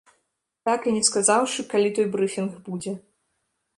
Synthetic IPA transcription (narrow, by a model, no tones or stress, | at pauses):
t̪akɨnʲɛskazawʂɨkalʲit̪ɔjbɾɨfʲinxbud͡zʲɛ